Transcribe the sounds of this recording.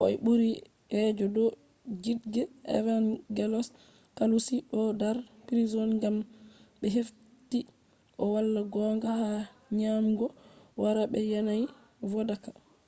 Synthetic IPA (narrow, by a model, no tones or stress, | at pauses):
ʔɔ̰jɓuɾi | ɛd͡ʒɔdɔ | d͡ʒidɡɛʔɛ̰vanɡɛlɔs | kalusiʔɔdaɾpiɾizɔnŋɡamɓɛɦef | ti | ʔɔwalːaɡɔŋɡahaɲamɡɔwaɾaɓɛjɛnaj | vɔdakḁ